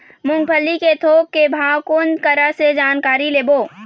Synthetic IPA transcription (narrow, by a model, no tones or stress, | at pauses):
mʊ̃ŋɡ̚pʰəlːiket̪ʰoːk̚kebʱaːwkond̪kəɾased͡ʒaːnkaːɾileːboː